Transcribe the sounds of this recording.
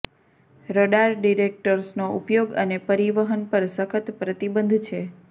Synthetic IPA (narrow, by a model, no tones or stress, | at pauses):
ɾoɖaɾɖiɾek̚ʈəɾsnoupjoɡə̰nepəɾiʋəɦənpəɾsəkʰət̪pɾət̪ibənd̪ʱt͡ʃʰe